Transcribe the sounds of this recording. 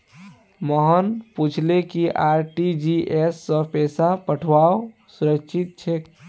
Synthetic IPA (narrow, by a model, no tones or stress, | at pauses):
məɦənput͡ʃʰlekiʔaɾʈid͡ʒiesːə̃pɛsapəʈʰwao | suɾəkʃʰit̪̚t͡ʃʰe